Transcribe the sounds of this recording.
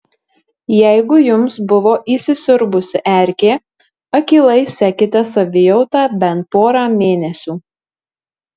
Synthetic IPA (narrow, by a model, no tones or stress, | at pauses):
jɛɪɡʊjʊmsbʊʋoːʔiːˑsʲɪsʲʊɾbʊsʲɪʔæˑɾʲkʲeː | ɐkʲiːlˠɐɪsʲækʲɪt̪ʲɛsɐʋʲɪjɔʊt̪ɑːbʲɛnt̪̚poːɾaːmʲeːnʲɛsʲuː